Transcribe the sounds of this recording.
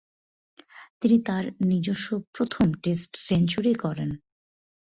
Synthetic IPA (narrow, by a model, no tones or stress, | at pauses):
t̪init̪aɾnid͡ʑoʃːopɾot̪ʰomʈesʈsent͡ɕuɾikɔɾen